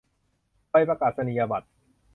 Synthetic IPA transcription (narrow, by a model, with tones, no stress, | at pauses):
pa˧˩jpa˧kaː˨˩t̪̚sa˧ni˨ja˧ba˨˩t̪̚